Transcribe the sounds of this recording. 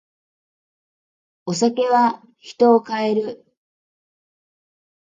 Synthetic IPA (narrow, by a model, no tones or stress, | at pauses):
o̞sake̞βa | çi̥t̪o̞ːkae̞ɾɯ̟